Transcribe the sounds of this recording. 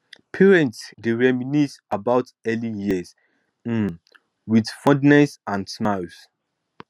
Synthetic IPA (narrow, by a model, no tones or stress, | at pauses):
pʰɛɹɛ̃ntsdeɹɛminisabaʊtɛlijiəs̩ | widfɔ̃dnɛsãnsmaɪs